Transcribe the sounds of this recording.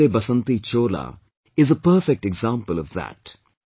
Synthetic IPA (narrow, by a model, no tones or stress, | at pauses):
eːbɐsə̃nt̪it͡ʃoːla̰ | ɪzəpəːfɛk̚ʈɛɡzãmpəlʌvðæ̰t